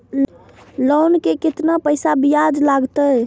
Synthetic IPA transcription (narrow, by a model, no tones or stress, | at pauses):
lɔwnkekɪt̪napəjsabijad͡ʒlaɡt̪əj